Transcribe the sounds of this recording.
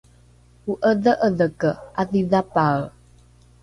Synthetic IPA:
uʔəðəʔəðəkəaðiðapal

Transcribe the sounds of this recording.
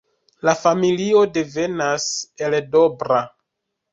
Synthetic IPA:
lafamilio̞de̞ve̞nase̞ldo̞bɾa

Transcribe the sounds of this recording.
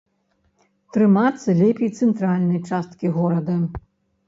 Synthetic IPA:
t̪ɾɨmat̪sːɐlʲɛpʲejt̪sɛnt̪ɾalʲnɐjt͡ʂast̪̚kʲiɣɔɾɐd̪ɐ

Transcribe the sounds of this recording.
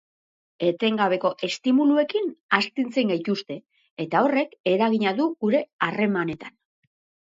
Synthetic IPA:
e̞t̪e̞ŋɡaβ̞e̞ko̞ʔe̞st̪imulue̞kinast̪int͡se̞ŋɡajt̪ust̪e̞ː | t̪ao̞re̞ke̞ɾaɣiɲaðuɣuɾe̞are̞mane̞t̪an

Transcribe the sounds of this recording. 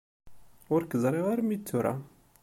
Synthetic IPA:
ʊɾkəzˤɾˤeʁaɾmit͡sːuɾa̰

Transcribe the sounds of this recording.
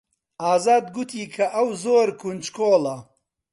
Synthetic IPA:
aːzaːd̪ɡut̪ʰiːkʰɐʔɐwzoːɾkʰunt͡ʃkʰoːlɐ

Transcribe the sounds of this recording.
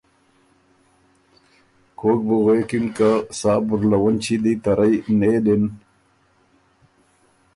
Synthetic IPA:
kʰoːk̚buɣekinkasaːbuɾlɐwɐnt͡ɕʰid̪it̪ɐɾɐjneːd̪en

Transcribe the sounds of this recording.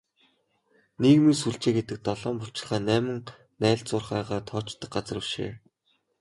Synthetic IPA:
niːɣmiːsuɮt͡ɕeːɡet̪ɘ̆k̚t̪ɔɮɔːmpʊr̥t͡ɕɪ̆ɮχæːnæːmɘ̆ŋ | næːɮt͡sʊːrχæːʁaːt̪ʰɔːt͡ɕt̪ːə̆k̚ɢat͡s̆rə̆wʃḛː

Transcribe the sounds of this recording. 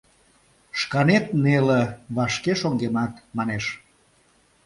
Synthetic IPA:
ʃkɑnet̪neleβɑʃkeʃoŋɡemɑt̪mɑneʃ

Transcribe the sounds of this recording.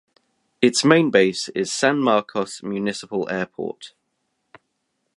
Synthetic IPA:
ɪtsmẽɪ̃nbeɪsɪ̰z̥sãnmɑˑkʰɒsmjʉːnɪsɪpəlʔɛːpʰɔ̰ˑt

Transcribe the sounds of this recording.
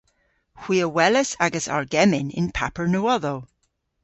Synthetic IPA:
hw̥iəwɛləsaɡəsa̰ɹɡɛmɪnɪ̰npʰa̰pəɹnoɔðo

